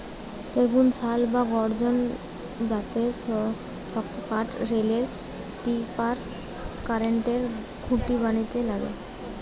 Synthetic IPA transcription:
seɡunsʰalbaɡɔɾd͡ʑon | d͡ʑat̪e | ʃɔkt̪opaʈɾeleɾ | sʈipaɾ | kaɾeɳʈeɾ | ɡʰʱuʈibanit̪elaɡḛ

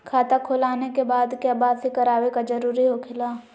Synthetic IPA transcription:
kʰaːt̪akʰʊlaːnekebaːd̪keabaːsikɐɾaːwekad͡ʒɐɾuːɾiɦokʰɪlaː

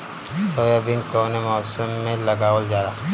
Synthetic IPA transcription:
soːjabɪ̃ŋkoːnemɔːsəmːẽlɐɡaːold͡ʒaːɾaː

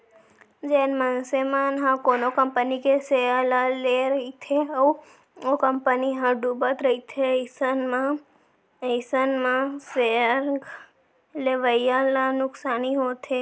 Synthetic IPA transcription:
d͡ʒenmansemanɦãkonokəmpənikesealaleɾəɦit̪ʰeəu | okəmpəniɦãɖubət̪ɾəɦit̪ʰeisənmã | əsənmãseəɾɡ | leʋəjalanʊksaniɦot̪ʰe

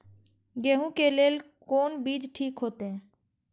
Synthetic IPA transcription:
ɡeːɦũkeleːl | koːnbiːd͡ʒʈʰiːkɦoːt̪eɦɛ̃ː

